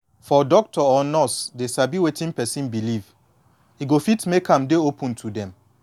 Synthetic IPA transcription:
fɔdɔk̚tʰɔɔnɔsdesabiwetĩŋpɛsĩnbiliv | hiɡofitmekʰãmdeopʰũntʰudɛ̃m

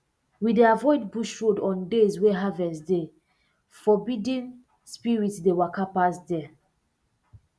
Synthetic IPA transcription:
wideavɔɪd̚buʃɹodɔ̃ndezwɛɦavɛ̃sde | fɔbidĩn | spiɹitsdewakapasdɛ

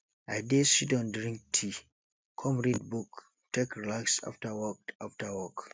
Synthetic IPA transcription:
ʔajdesidɔ̃ndɾĩŋk̚tʰi | kʰɔmɹid̚buk | tekɾilaksa̰ftawɔk̚aftawɔk

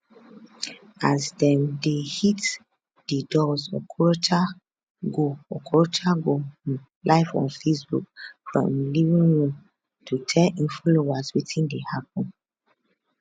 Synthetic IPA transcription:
azdɛ̃ndehit | d̥idɔzɔ̰kʰɔɹotʰa | ɡoɔkʰɔɹotʰaɡo | laɪfɔ̰̃nfesbṵk̚fɹɔ̰̃mlivĩŋɹũm | tʰutʰɛʔĩnfɔlowaswitʰĩndehapɔ̃n

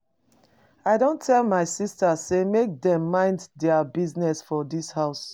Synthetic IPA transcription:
aɪdõntʰɛlmaɪsistasemek̚dɛ̃mːãɪ̃nddɛabiznɛsfɔdishaʊs

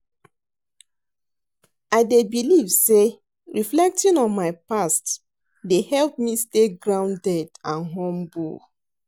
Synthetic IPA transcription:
aɪdebilivse | ɹiflɛk̚tĩnɔ̃nmaɪpast | dehɛlp̚misteɡɹãʊ̃ndɛdãnɦɔ̃mbo̰

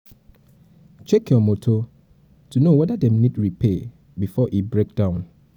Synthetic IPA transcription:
t͡ʃɛkʰjɔmotʰo | tʰunowɛdadɛ̃mnĩdɹipʰe | bifɔʔibɹek̚d̥ãʊ̃n

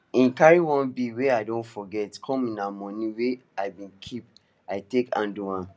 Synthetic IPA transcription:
ĩnkaɹiwɔ̃nbiweaɪdõntfɔɡɛtkʰɔ̃mĩnamɔ̃nĩweaɪbĩnkʰip | aɪtekã̰nduãn

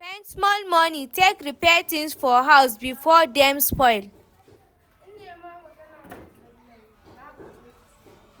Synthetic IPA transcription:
pɛ̃nsmɔlmɔnĩtekɹipɛtĩŋsfɔɦawsbifɔdɛ̃mspɔɪl

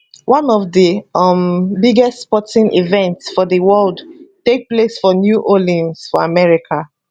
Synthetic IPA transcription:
wʔãnɔvdəmbiɡɛstspɔtĩnʔḭvɛ̃ntsfɔðəwɜldtek̚plesfɔnjuʔolĩnsfɔamɛɹikʰa

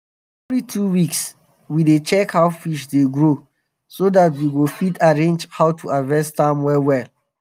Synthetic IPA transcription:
ɛvlitʰuwiks | widet͡ʃɛkhaʊfiʃdeɡɹo | sodatwiwofitʰaɹẽnd͡ʒhaʊtʰuavɛstãmwɛwɛl

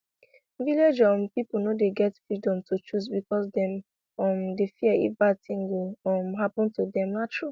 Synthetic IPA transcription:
viled͡ʒɔ̃mpipl̩nodeɡɛtfɹidɔ̃mtʰut͡ʃus̬bikɔsdɛ̃m | mdefiəḭfbatĩŋɡoɔmɦapɔ̃ntudɛ̃mnatʰɹu

